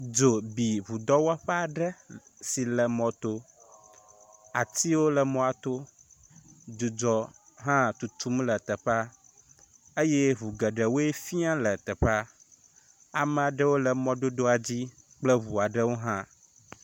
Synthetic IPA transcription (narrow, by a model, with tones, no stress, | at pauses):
d͡ʒo˨bi˨βu˨d̪ɔ˦wa˦ɸɛ˦a˨ɖə˦si˨lə˨mɔ̃˨t̪o˦ | a˨t̪i˦wo˦lə˨mɔ̃˦a˨t̪o˦ | d̪u˨d͡ʒɔ˨ | ɦã˦t̪u˨t̪u˦mlə˨t̪ə˨ɸa˦ | e˦je˦βu˨ɡə˨ɖə˨wo˦e˦fi˦a˦lə˨t̪ɛ˨ɸa˦ | a˨mɛ̃˦˨a˨ɖə˦wo˦lə˨mɔ̃˦ɖo˦d̪o˦a˨d͡ʑi˦ | k͡plə˦βu˨a˨ɖə˦wo˦ɦã˦